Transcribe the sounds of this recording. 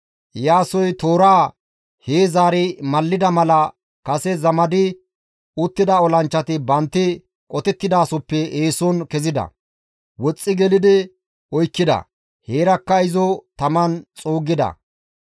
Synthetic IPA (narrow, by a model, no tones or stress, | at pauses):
jaːsɔjt̪oːɾaː | heːzaːɾɪmɐlːɪd̪ɐmɐlɐ | kɐsɛzɐmɐd̪ɪ | ʊt̪ːɪd̪ɐɔlɐnt͡ʃːɐt̪ɪbɐnt̪ːɪ | kʼɔt̪ɛt̪ːɪd̪aːsɔpːɛʔeːsɔnkɛzɪd̪ɐ̰ | wɔt͡sʼːɪɡɛlɪd̪ɪ | ɔjkːɪd̪ɐ̰ | heːɾɐkːɐɪzɔt̪ɐmɐnt͡sʼoːɡɪd̪ɐ̰